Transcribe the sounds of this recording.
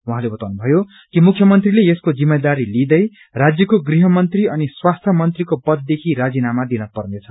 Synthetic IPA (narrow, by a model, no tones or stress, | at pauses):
wuɦãlebʌt̪awnubʱʌjo | kimukʰjʌmʌnt̪rileeskod͡zimːed̪aɾilid̪ʌj | rad͡zjʌkoɡriɦʌmʌnt̪riʌniswast̪ʰjʌmʌnt̪rikopʌd̪̚ːekʰiɾad͡zinamad̪inʌpʌrnet͡sʰʌ̥